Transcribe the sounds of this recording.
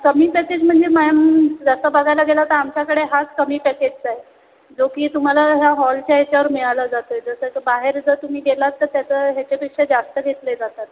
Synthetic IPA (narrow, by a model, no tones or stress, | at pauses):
kəmiːpɛked͡ʑm̤əɳd͡zemajamd͡zasəbəɡajlaɡelat̪əɾamt͡ɕjakəɽeɦat͡skəmiːpɛked͡ʑt͡saɦe | d͡zokiːt̪um̤alaɦjaɦɔlt͡ɕjaɦet͡ɕjaʋəɾmiɭalad͡zat̪əjd͡zəsəkbaɦeɾd͡zət̪um̤iːɡelat̪ːəɾt̪jat͡səːɦjat͡ɕepikʂəd͡zast̪əɡʱet̪led͡zat̪at̪̚